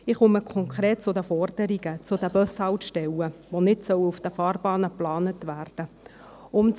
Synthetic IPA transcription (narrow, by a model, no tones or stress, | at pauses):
ɪχʊməkʰχɔŋkʰɾeːt̚t͡sʊdəfɔrd̥əɾiɡət͡sʊdəbœshɑwtʃtɛwəʋonɪtsœwufd̥əfɑːrbɑːnəplɑːnətʋæːrd̥ə | ʊm